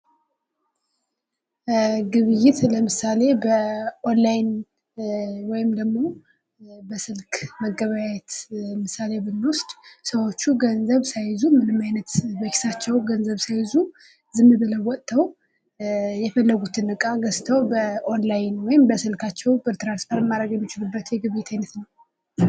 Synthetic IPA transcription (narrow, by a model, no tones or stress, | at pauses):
ɡɨβɨjɪt̪ləmɨsale̞bəʔonlajn | wɔjɪmd̪əɡmo̞ | bəsɨlkməɡːəβajɛt̪mɨsale̞bɨnːwʊst̪ʼsəwo̞t͡ʃːuɡənzəβsajzumɨnɨmːajnət̪bəkʰi̥sat͡ʃːɛwɡənzəβsajzu | zɨmːɨbələwːɔt̪ʼt̪ʰːəw | jɛfəlːəɡut̪ʰɨnɨkʼaɡəst̪ʰəwbəʔonlajnwɔjɪmbəsɨlkʰat͡ʃːɛwbət̪ʰɨɾansfoɾmːaɾəɡjɛmːit͡ʃɪlubːət̪jɛɡɨβet̪ʰajnət̪nəw